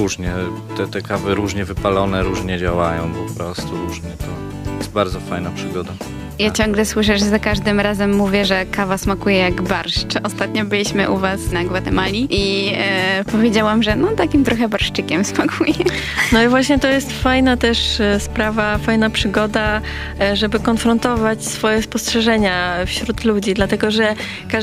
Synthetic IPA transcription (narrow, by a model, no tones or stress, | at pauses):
ɾuʐɲɛt̪ɛt̪ɛkavɘɾuʐɲɛvɘpalɔnɛɾuʐɲɛd͡ʑawajɔ̰̃w̃pɔpɾɔst̪uɾuʐɲɛt̪ɔ | ɛst̪̚baɾd̪zɔfajnapʂɘɡɔd̪a | jat͡ɕɔŋɡlɛswɘʂɛʐzakaʐd̪ɘmɾazɛmːuvʲjɛʐɛkavasmakujɛjaɡbaɾʂt͡ʂɔst̪at̪ɲɔbɘlʲiɕmɘʔuvasnaɡwat̪ɛmalʲiʔi | pɔvʲjed͡ʑawamʐɛnɔt̪akʲimt̪ɾɔxɛbaɾʂt͡ʂɘkʲɛmsmakʰujɛnɔivwaɕɲɛt̪ɔjɛst̪fajnat̪ɛʂspɾavafajnapʂɘɡɔd̪a | ʐɛbɘkɔnfɾɔnt̪ɔvat͡ɕsfɔjɛspɔstʂɛʐɛɲafɕɾut̪lud͡ʑid̪lat̪ɛɡɔʐɛ | ka